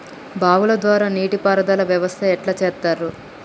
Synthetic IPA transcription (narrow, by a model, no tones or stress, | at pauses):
baːʋulɐd̪ʋaːɾaːniːʈipaːɾɐd̪aːlɐʋjɐʋɐst̪ʰɐɛʈlaːt͡ʃɛːt̪ːaːɾu